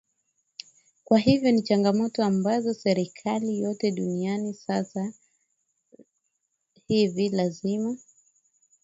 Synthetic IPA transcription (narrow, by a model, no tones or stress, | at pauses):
kwaɦivjɔnit͡ʃaŋɡamɔtɔambazɔsɛɾikʰalijɔtɛɗunianisasa | hivilazima